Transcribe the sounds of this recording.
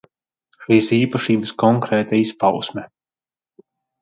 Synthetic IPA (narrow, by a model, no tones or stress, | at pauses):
ʃiːsiːpaʃiːbəskɔŋkɾɛːt̪aispawsmɛ